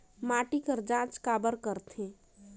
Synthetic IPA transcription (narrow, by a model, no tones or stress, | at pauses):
maːʈikəɾd͡ʒãːt͡ʃkaːbəɾkəɾt̪ʰɦẽ